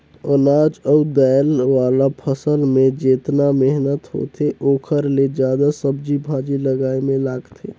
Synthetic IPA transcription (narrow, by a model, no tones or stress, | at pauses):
ənad͡ʒəud̪əjlʋaːlapʰəsəlmẽd͡ʒeːt̪nameɦnət̪ɦo̰t̪ʰeʔoːkʰəɾled͡ʒjaːd̪asəbd͡ʒibʱãd͡ʒiləɡaːemẽlaːɡt̪ʰe